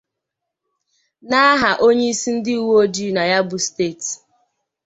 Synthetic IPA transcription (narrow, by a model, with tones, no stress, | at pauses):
na˦ɦa˨ʔo˦ɲe˦i˦si˦n̩˦dɪ˦u˨wo˦d͡ʒi˦na˨ja˦bʊ˨steː˦˨t